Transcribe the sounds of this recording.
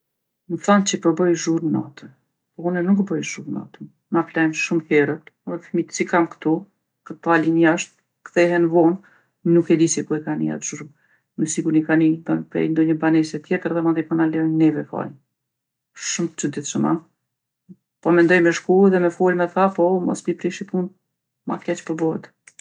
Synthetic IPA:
məθant͡ʃəpəɾbəjʒuɾnat̪ə | pɔunɛnukbəjʒuɾna̰t̪ən | naflajmʃumhɛɾət̪fmit̪sikamkt̪ɔ | kət̪alinjaʃt̪̚ | kθɛɦɛnvɔn | nukɛd̪isipuɛkanḭa̰t̪ʃuɾum | nəsikuɾnikanib̪ənpɾɛ̰jnd̪ɔɲəbanɛsɛt̪jɛt̪əɾðɛmad̪ɛpɔnalɛnnɛvɛfa̰j | ʃumt͡ʃəd̪iθʃəma̰ | pɔmɛnd̪ɔjmɛʃkuɛðɛmɛfulmɛθapɔmɔ̰spipɾiʃip̪un | ma̰kɛt͡ʃpəɾbɔɦɛt̪

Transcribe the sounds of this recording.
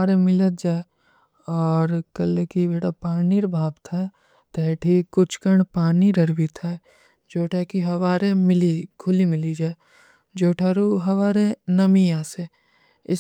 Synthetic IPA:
aːɾemɪlət̪̚d͡ʒaːe | ɔːɾkɐlekibeːʈapaːniɾbʱaːbt̪ʰa | t̪ɛːʈʰikʊt͡ʃʰkəɳpaːniɾɐɾbit̪ʰɛ | d͡ʒoːʈʰakiɦɐʋaːɾemɪlikʰʊlimɪlid͡ʒaːe | d͡ʒoːʈʰaɾuɦɐʋaːɾenɐmijãːse | ɪ

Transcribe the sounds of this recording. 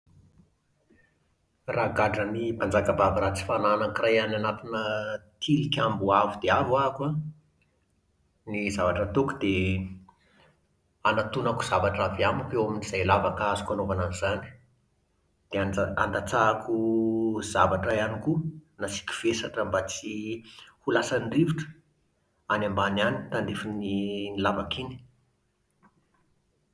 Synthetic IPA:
raɡaɖ͡ʐənipand͡zakəbavaɾat͡si̥fananakirajananat̪inət̪ʰilikʲambuavud̪̥eavakwa | nizavaʈ͡ʂət̪uku̥d̪e | anat̪unaku̥z̥avaʈ͡ʂaviamupewaminiz̥ajlavakazu̥kanovananiz̥ani̥ | d̪̥eaa̰nd̪at͡sakuz̥avaʈ͡ʂajanikunasi̥kʲi̥v̥esaʈ͡ʂəmbat͡sihulasanriviʈ͡ʂə̥ | anambananit̪and̪ifininilavakini̥

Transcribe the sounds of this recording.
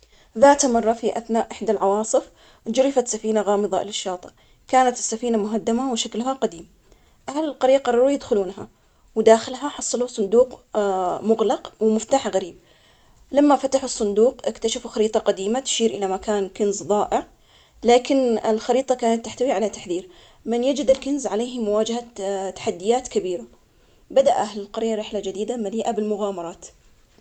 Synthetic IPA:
ðaːt̪mɑrˤːɑfiʔaθnaːʔʔɪħd̪alʕɑwɑːsˤɨf | d͡ʒʊɾɪfat̪safiːnaɣɑːmɨðˤɑʔlɪʃːɑːt̪ˤɨ | kaːnat̪ɪ̥sːafiːnamʊɦad̪ːamawʃaklɦaqad̪iːm | ʔahalɪlqɑɾiːqɑrˤɑɾuːjɪd̪xʊluːnɦa̰ | wd̪aːxɪlɦaħɑsˤːɑlusˤʊnd̪uːq | mʊɣlɑqwmʊft̪aːħaɣaɾiːb̚ | lamːafat̪aħʊsˤːʊnd̪uːqʔɪkt̪aʃafuxaɾiːt̪ˤɑqad̪iːmat̪ʃiːɾʔɪlamakaːnkɪnzðˤɑːʔɪʕ | laːkɪnɪlxɑɾiːt̪ˤɑkaːnat̪ːaħt̪awiʕalat̪ḁħðiːɾ | mɪnjad͡ʒɪd̪ɪlkɪnzʕaleːhmʊwaːd͡ʒahat̪ḁħad̪ːɪjaːt̪kabiːɾa | bad̪aʔʔaɦlɪlqɑɾjːaɾɪħlad͡ʒɪd̪iːd̪amaliːʔabɪlmʊɣaːmɑɾˤɑːt̪

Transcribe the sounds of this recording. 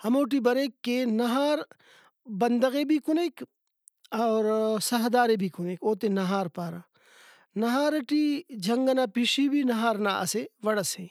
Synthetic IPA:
hɐmoːʈ̬ibɐɾeːkːenɐɦaːɾ | bɐnd̪əɣebʱikʊneːk | ɐːɾsɐɦd̪aːɾebʱikʊneːkoːt̪enɐɦaːɾpaːɾa | nɐɦaːɾɐʈid͡ʒʱɐŋɡənaːpiʃibʱinɐɦaːɾnaːʔɐ̰seʋɐɽɐse

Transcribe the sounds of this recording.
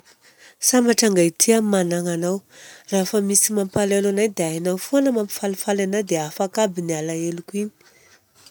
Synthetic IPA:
sambaʈ͡ʂaŋɡait̪ʰiammanaŋanawrafəmisimampalelanajd̪eaanawfonəmampi̥falafalanad̪eafakabinialaelukini̥

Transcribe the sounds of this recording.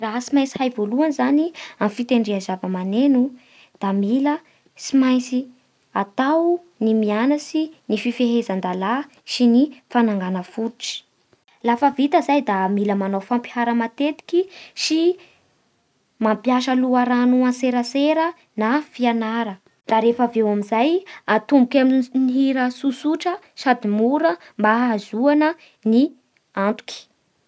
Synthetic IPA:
raɦəsimajt͡si̥hajvoluanzaniamfit̪eɳɖ͡ʐiazavəmanenu | d̪̥amilə | simajnt͡si | at̪aw | nimianasinififeɦezand̪ala | sinifanaŋɡanəfuʈ͡ʂi̥ | lafəvit̪əzajd̪amiləmanawfampi̥haɾəmat̪et̪i̥kʲisi | mampjaʃəluaɾanuãseɾəseɾə | nafianaɾə | d̪̥aɾefəvewamizajat̪umbukʲaminiɦiɾəsusuʈ͡ʂə | sad̪imuɾəmbaɦazuanə | ni | ant̪u̥kʲi̥

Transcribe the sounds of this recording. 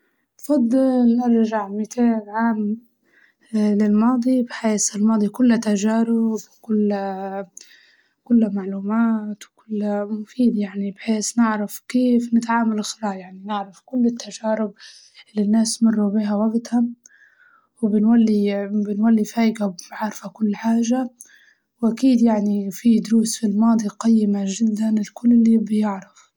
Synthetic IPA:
fɑd̪ˤːɨlnɪɾʒaʕmɪt̪ʰeːlʕaːm | lɪlmɑːd̪ˤibħeːsɪlmɑːd̪ˤikʊlːat̪aʒaːɾɪbkʊlː | kʊlːamaʕluːmaːt̪wkʊlːamʊfiːd̪jaʕnibħeːsnɪʕɾafkeːfnɪt̪ʕaːmalxɾˤɑːjaʕninɪʕɾˤafkʊlːɪt̪ːaʒaːɾɪb | ɪlːinːaːsmɑrˤːubiːɦawaɡt̪ham | wɪbɪnwalːibɪnwalːifaːʔɪɡabbʕaɾˤfakʊlːħaːʒa | wʔakiːd̪jaʕnifid̪ʊɾuːsfilmɑːd̪ˤiqɑjːɪmaʒɪd̪ːanɪlkʊlːɪlːibjɪʕɾɪf

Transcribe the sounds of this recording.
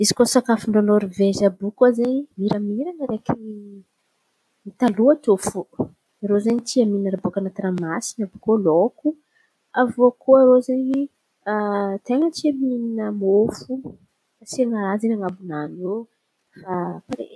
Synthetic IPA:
izi̥kosakafuɳɖ͡ʐonoɾivezabukozeɲimiɾəmiɾanəɾekʲii | mit̪aluat̪ofu | aɾozeɲit̪iamiinaɾabokanat̪ɾamasi̥nabukoloku | avoakʰoaɾozeɲi | t̪eŋət̪iamininəmofu | asiaŋaɾazenaŋabunano | fapaɾḛ

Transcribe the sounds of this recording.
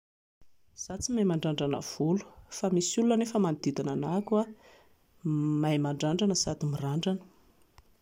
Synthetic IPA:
z̥at͡simajmaɳɖ͡ʐaɳɖ͡ʐanə̰v̥ulu̥famisulunənefəmanid̪id̪ananakwa | majmaɳɖ͡ʐaɳɖ͡ʐanəsad̪imiraɳɖ͡ʐanə̥

